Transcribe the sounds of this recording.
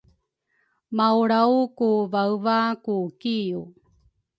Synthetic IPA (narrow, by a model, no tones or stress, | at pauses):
mawɾawkuvawvakukiu